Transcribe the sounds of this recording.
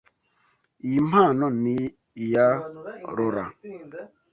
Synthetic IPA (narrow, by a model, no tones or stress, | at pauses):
imanɔni | jaɾoɾa̰